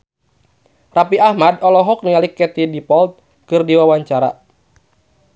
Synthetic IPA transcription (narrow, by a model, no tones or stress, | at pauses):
rapiahmadɔlɔɦɔk̚nialikːɛt̪idipɔlt̪̚ | kɨrdiwawaɲt͡ʃaɾa̰